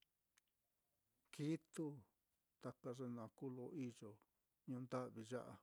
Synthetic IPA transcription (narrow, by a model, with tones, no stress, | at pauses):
ki˦t̪u˦ | t̪a˧ka˧ʐe˧nã˨ku˦lo˧ʔi˦ʒo˨ | ɲũ˧nd̪a˦ʔβi˧ʒa̰˦ʔa̰˧